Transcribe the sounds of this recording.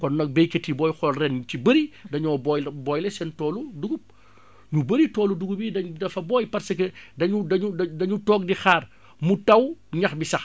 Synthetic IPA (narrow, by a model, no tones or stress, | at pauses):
kɔnːɐk̚bɛjketːibɔːjxɔlrɛnɲutibɐɾidɐɲɔːbɔjbɔːjlɛsɛntɔːluduɡup | ɲubɐɾitɔːluduɡubidɐɲdɐfɐbɔːjpɐrsɐkɛdɐɲudɐɲudɐdɐɲutɔːk̚dixaːr | mutɐwɲɐxbisɐx